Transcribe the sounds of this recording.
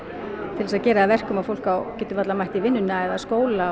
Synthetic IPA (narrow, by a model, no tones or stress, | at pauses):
t̪ʰɪlɛsaðcɛːɾaːðvɛr̥kʏmaðfowl̥kawcɛːt̪ʏvat̪lamajht̪ivɪnːʏnːaɛðaskoːwla